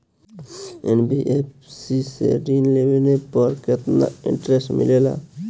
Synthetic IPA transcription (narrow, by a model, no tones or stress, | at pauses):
enbiʔep | sisḛɾinlewenepəɾket̪na̰ḭ̃ɳʈɾesʈmḭlela̰